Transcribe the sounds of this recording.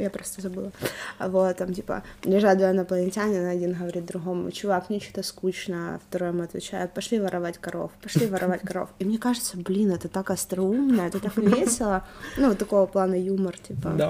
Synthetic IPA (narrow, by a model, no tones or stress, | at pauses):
japɾost̪əzɐbɨlˠəvot̪ːamtʲipə̰lʲɪʐad̪vəjnɐplˠənʲɪtʲanʲɪnɐdʲinɣəvɐɾʲit̪̚d̪ɾʊɦo̞m̰t͡ɕʊvaknʲɪt͡ɕu̥t̪əskut͡ɕnəft̪ɐɾojəmuɐt̪vʲɪ̰t͡ɕæ̰jʊpɐʂlʲivəɾʔɐvatʲkɐɾo̞̰fpɐʂlʲivəɾʔɐvatʲkɐɾo̞̰fimnʲe̞kaʐɨt̪səblʲinɛt̪ət̪akɐst̪ɾɐumnəjəɛt̪ət̪akvʲesʲɪlˠənut̪ːɐko̞vəplˠanəjumərtʲipə̰